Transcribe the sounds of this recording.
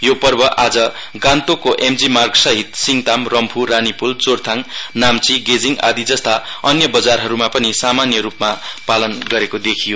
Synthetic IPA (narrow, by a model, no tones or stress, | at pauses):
jopʌrbʌʔad͡zʌɡant̪okoʔemd͡zimarksʌɦit̪siŋt̪amrʌmpʰuɾanipult͡sort̪ʰaŋnamt͡siɡed͡ziŋa̰d̪id͡zʌst̪aʌnjʌbʌd͡zarɦʌɾumapʌnisamanjʌɾupmapalʌnɡʌɾekod̪ekʰijo